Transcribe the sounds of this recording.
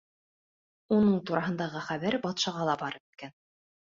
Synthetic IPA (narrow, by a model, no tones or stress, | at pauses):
unɤɴt̪uɾɑɦɤ̆nd̪ɑʁɤχæβæɾbɑt̪ʃɑʁɑlˠɑbɑɾɤ̆pĭ̥t̪̚kæn